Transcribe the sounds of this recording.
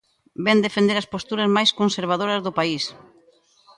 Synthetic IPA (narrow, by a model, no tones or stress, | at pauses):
bɛnd̪efend̪eɾɐspost̪uɾɐzmajskonseɾβ̞að̞oɾɐzðʊpais